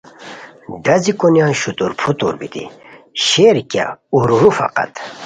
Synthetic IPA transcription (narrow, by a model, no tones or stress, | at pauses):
ɖɐzikonjãːɕut̪uɾpʰut̪ṵɾbit̪ḭɕeɾkʲa̰uɾuɾufa̰qa̰t̪